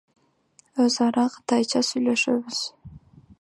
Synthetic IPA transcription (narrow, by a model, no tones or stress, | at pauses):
øzɑɾɑqʰɯ̥t̪ɑjt͡ʃɑsyjlø̞ʃøβyz̥